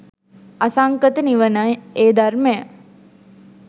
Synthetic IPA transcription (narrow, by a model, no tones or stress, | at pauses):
asaŋkət̪əniʋənəeːd̪armejə